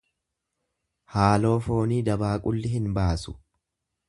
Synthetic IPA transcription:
haːlo̞ːfo̞ːniːd̪ɐbaːkʼʊlːɪɦɪnbaːsʊ̥

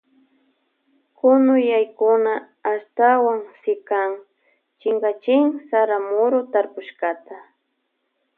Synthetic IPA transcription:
kʊnʊjajkʊnaː | st̪awaŋsɪkaŋ | t͡ʃɪŋɡat͡ʃɪŋsaɾamʊɾʊt̪aɾpʊʃkat̪a

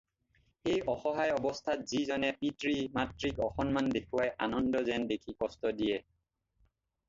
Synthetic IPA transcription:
xejʔɔxɔɦajɔbɔstʰatzizɔnɛpitɹimatɹikɔxɔnmandekʰuwajʔanɔndɔzɛndekʰikɔstɔdijɛ

